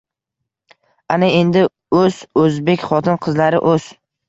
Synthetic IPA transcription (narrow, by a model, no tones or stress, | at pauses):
anɪe̞nd̪ɪ | ɵz̥ɵzbe̞kʲχɒt̪ʰɪnqʰɨzlaɾɪ̰ʔɵz̥